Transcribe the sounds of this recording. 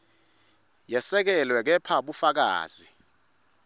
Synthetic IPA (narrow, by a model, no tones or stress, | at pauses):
jɛsɛk̬ɛlwɛk̬ɛpʰaɓufak̬a̰ːz̥i